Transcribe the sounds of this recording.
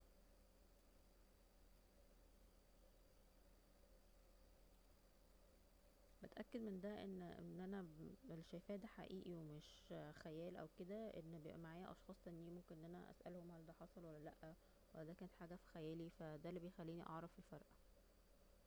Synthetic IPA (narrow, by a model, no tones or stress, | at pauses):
bet̪ʔækːed̪mend̪æʔḛnːʔḛnːʔænæelʃæjfæːʔd̪æħa̰ʔiːʔiwemeʃxæjæːlʔæ̰wked̪æʔenːbejḛʔæmaʕaːjæʔɑ̰ʃxɑːsˤenːiːmomkenʔnːʔænæʔæ̰sʔæ̰lhomhæld̪æħɑsˤɑlwælːælæʔːæ | wælːæd̪æːkæːnet̪ħaːɡæfi̥xæjæːlifæd̪ælːibejexælːiːniʔɑʕɾˤɑfelfɑɾˤʔ